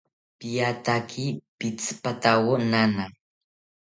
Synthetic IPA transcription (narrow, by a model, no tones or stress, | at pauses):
pijat̪akʰipɪt͡spat̪awonana